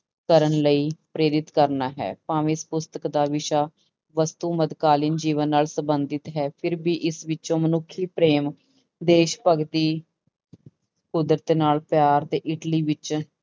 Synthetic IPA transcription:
kəɾənləiːpɾeːɾɪt̪kəɾnaːɦɛ̰ːpãːʋespʊst̪əkd̪aːʋɪʃaː | ʋəst̪uːməd̪kaːlɪnd͡ʒiːʋənːaːlsəbənd̪ɪt̪ɦɛːpʰɪɾbiːʔɪsʋɪt͡ʃõːmənʊkʰːiːpɾeːm | d̪eːʃpəɡt̪iː | kʊd̪ɾət̪naːlpjaːɾt̪eːʔɪʈliːʋɪt͡ʃ

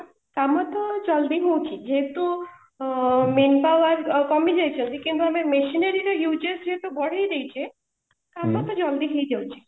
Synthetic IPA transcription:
kamːãt̪ɔd͡ʒɔld̪iɦũt͡ʃʰid͡ʒet̪o | menpaʋaɾkɔmid͡ʒajt͡ʃʰũnt̪ʰikint̪̬uəmemeʃinəɾiɾɔjud͡ʒesd͡ʒet̪obɔɽ̤aiɾejt͡ʃʰie | k̪amːat̪ɔd͡ʒɔld̪iɦejd̪ewt͡ʃʰi̥

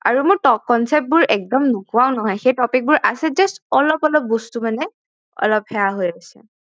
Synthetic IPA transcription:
a̰ɹumʊɹtɔk̚ːɔnsɛp̚t̚bʊɹʔɛk̚dɔmnʊkuaʊnɔɦɔjxejtɔpik̚bʊɹʔasɛzastɔlɔpɔlɔp̚bostumanɛ | ɔ̰lɔp̚hɛaɦojasɛ̰

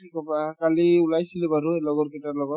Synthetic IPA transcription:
tʰikɔpakaliulajsilebaɾuelɔɡɔɾkɛtalɔɡɔt

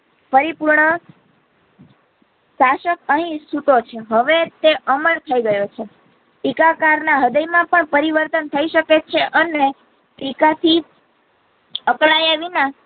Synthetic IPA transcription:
pəɾipuɾɳə | ʃaʃəkəɦĩsut̪ot͡ʃʰeɦəʋet̪eʔəməlt̪ʰəiɡəjot͡ʃʰe | pikakaɾnaɦəd̪əjmãpəɳpəɾiʋəɾt̪ənt̪ʰəiʃəket͡ʃʰeʔəne | pikat̪ʰi | əkɭajaʋinã

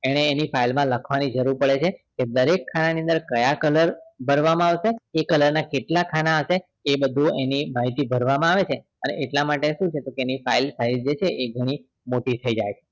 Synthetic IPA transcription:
eɽ̃eːnifailmãləkʰʋanid͡ʒəɾuɾpəɭet͡ʃʰeked̪əɾekʰːananĩə̃nd̪əɾkəjakələɾbʱəɾʋamãaʋʃeekələɾnakeʈlakʰanaəʃe | ebəd̪ʱũenimaɦit̪ibʱəɾʋamãaʋet͡ʃʰe | ənḛʔeʈlamaʈeʃũt͡ʃʰet̪okeːnifailsaizd͡ʒet͡ʃʰeʔeɡʱəɽ̃i | moʈit̪ʰəid͡ʒajt͡ʃʰe̥

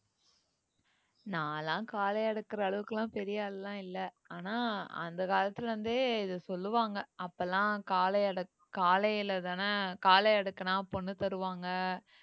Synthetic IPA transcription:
nãːlãːkaːlɐɐɽɯkːɪɾɐːɭɯʋɯkːɐlãːpɛɾɪjaːllãːɪlːɐ | aːnaːɐ̰nd̪ɐkaːlɐt̪ːɪlʋɐnd̪ɯɪðɯsɔlːɯʋaːŋɡɐʔɐpːɐlːãːkaːlɐɐɽɯ | kaːlɐjɪlɐðaːnɐkaːlɐɐɽɯkːɐnãːɐpːonːɯt̪ɐɾɯʋaːŋɡɐ

